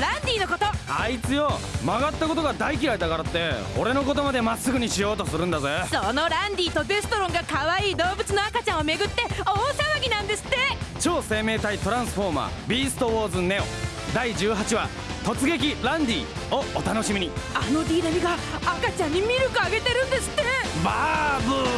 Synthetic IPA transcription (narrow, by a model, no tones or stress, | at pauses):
ɾãnd̪ʲiːno̞ko̞t̪oait͡sɨjo̞maɡat̪ːako̞t̪o̞ɡad̪aikʲiɾaid̪akaɾat̪ːe̞o̞̰ɾe̞no̞ko̞t̪o̞mad̪e̞masːɨɡɯ̟ɲ̟iɕijo̞ːt̪o̞sɨɾɯ̃nd̪azeːsono̞ɾãnd̪ʲiːt̪o̞d̪e̞sɨ̥t̪o̞ɾõ̞ŋɡakaβaiːd̪o̞ːbɯ̟t͡sɨno̞akat͡ɕãɰ̃ome̞ɡɯ̟t̪ːe̞osaβaɡʲinãnd̪e̞sɨ̥t̪ːet͡ɕo̞ːse̞ːme̞ːt̪ait̪o̞ɾãɰ̃sɨ̥ɸo̞ma̰ːbʲiːsɨ̥t̪oβoːzɨne̞o̞̰ | d̪aid͡ʑɨːɦat͡ɕiβa̰ | t̪o̞t͡sɨɡe̞k̬ʲiɾãnd̪ʲiːo̞ot̪ano̞ɕimʲiɲ̟iano̞ɾʲiːd̪amʲiɡaːkat͡ɕãɲ̟ːimʲiɾɯ̟kɯ̟aɡe̞t̪e̞ɾɯ̟̃nd̪e̞sɨ̥t̪ːe̞babɯ